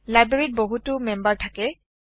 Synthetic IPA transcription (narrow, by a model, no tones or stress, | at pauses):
lajbeɹit̚boɦutʊmɛmbaɹtʰakɛ